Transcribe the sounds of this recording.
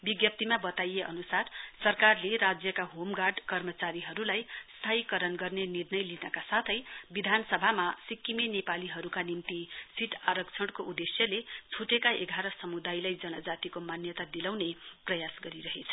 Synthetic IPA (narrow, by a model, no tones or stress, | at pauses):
biɡjʌp̚t̪imabʌt̪ajeʔʌ̰nusarsʌrkarleɾad͡zjʌkaɦomɡarɖkʌrmʌt͡saɾiɦʌɾulajst̪ʰaikʌɾʌnɡʌrnenirnʌjlinʌkasat̪ʰʌjbid̪ʱansʌbʱamasikːimenepaliɦʌɾukanimt̪isiʈʰaɾʌkt͡sʰʌɽ̃koud̪esjʌlet͡sʰuʈekaeɡʱaɾʌsʌmud̪ajlajd͡zʌnʌd͡zat̪ikomanjʌt̪ad̪ilawneprʌjasɡʌɾiɾʌɦet͡sʰʌ̥